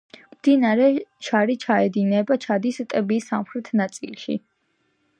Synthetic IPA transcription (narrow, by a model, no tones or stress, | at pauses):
md̪inaɾɛʃʰaɾit͡ʃʰaɛd̪inɛbat͡ʃʰad̪ist̪ʼɛbisamχɾɛt̪ʰnat̪sʼḭlˠʃḭ